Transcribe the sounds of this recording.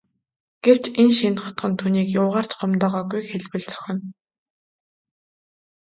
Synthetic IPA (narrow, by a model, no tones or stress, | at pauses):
ɡ̥ew̥t͡ɕenʃinχɔ̥t̪ɢɞ̆nt̪ʰuːniːkjʊːʁaːr̥t͡ɕɢɔmt̪ɔːʁɔːɡujxeɮwɘ̆ɮt͡sœ̥xʲɪ̆n